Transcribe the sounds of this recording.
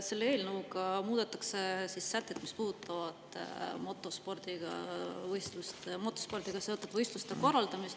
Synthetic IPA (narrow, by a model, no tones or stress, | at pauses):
se̞lːeeːlnəwuɡɑmuːd̪̥et̪ːˑɑksesisːæt̪ˑːet̪mispuːt̪ːˑɑvɑd̪̥mo̞t̪ːˑo̞spo̞rd̪̥iɡ̥ɑ̰vɤjst̪lust̪mo̞t̪ːˑo̞spo̞rd̪̥iɡ̥ɑse̞ot̪ːˑud̪̥vɤjst̪lust̪e̞ko̞rːɑld̪̥ɑmist̪